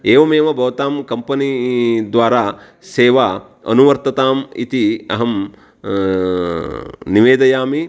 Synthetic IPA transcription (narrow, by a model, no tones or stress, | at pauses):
eːʋɐmeːʋɐbʱɐʋɐt̪aːmkɐmpɐnid̪ʋaːɾaː | seːʋa | ɐ̰nuʋɐɾt̪ɐt̪aːmḭt̪iɐ̰ɦɐm | niʋeːd̪ɐjaːmi